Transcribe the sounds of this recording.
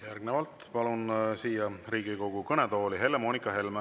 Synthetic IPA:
jærɡne̞vɑlt̪pɑlunsiːjɑriːɡ̥iko̞ɡ̥ukɤnet̪o̞ːliɦe̞lːemoːnikˑɑɦe̞lme

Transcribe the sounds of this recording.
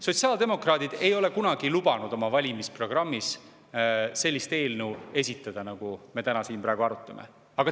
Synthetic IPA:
so̞tʲsiɑːld̪e̞mo̞krɑːd̪id̪̥e̞jo̞le̞kunɑɡ̥ilub̥ɑnud̪o̞mɑvɑlʲimispro̞ɡ̥rɑmːis | se̞lʲːist̪e̞ːlnuwe̞sʲit̪ˑːɑd̪̥ɑnɑɡ̥ume̞t̪ænɑsiːnprɑˑeɡ̥uɑɾut̪ːˑɑmḛ | ɑɡ̥ɑ

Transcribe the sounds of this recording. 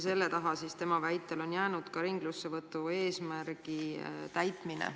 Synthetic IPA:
se̞lːe̞t̪ɑɦɑsist̪e̞mɑvæjt̪ːˑe̞lo̞njæːnud̪̥kɑɾiŋɡ̥lusːevɤt̪ːˑue̞ːsmæɾɡ̥it̪æjt̪minḛ

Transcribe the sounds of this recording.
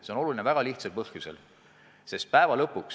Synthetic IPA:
se̞ono̞lulinevæɡ̥ɑliht̪sɑlpɤhkusḛl | se̞st̪̚pæevɑlɤpːˑuks

